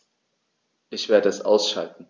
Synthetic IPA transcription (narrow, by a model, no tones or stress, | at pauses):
ʔɪçv̥eːɐdəɛsʔa̰ʊsʃa̰ltn̩